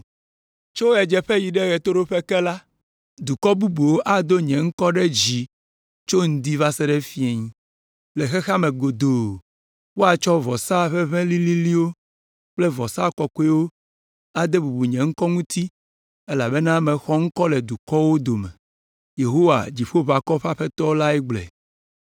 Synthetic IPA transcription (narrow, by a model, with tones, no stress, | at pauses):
t͡ʃo˦ɛ˨d͡ʒɛ˨ɸɛ˦ji˨ɖɛ˦ɣɛ˨t̪o˦ɖo˦ɸe˦kɛ˦la˦ | d̪u˨kɔ˦bu˦bu˨wo˦ʔa˨d̪o˦ɲɛ̃˨ŋ̩˦kɔ˦ɖɛ˦d͡ʑi˨ | t͡ʃo˦ŋ̩˨d̪i˦va˦sɛ˦ɖɛ˦fi˦e˨ɲĩ˦ | le˨xɛ˦xa˦mẽ˨ɡo˨d̪o˨ | wo˦a˨t͡ʃɔ˦vɔ˨sa˦˨ɸɛ˦βɛ̃˦li˦li˦li˦wo˦ | k͡plɛ˦vɔ˨sa˦˨kɔ˨kɔ˦ɛ˦wo˦ | a˨d̪e˦bu˨bu˨ɲɛ̃˨ŋ̩˦kɔ˦ŋũ˦t̪i˦ | e˦la˨be˦nã˦mɛ̃˨xɔ˦ŋ̩˦kɔ˦lɛ˨d̪u˨kɔ˦wo˦d̪o˨mɛ̰˨ | je˨ɦo˦wa̰˨d͡ʑi˨ɸo˦va˨kɔ˦ɸa˦ɸe˦t̪ɔ˦la˦ɛ˦ɡ͡blɛ̰˨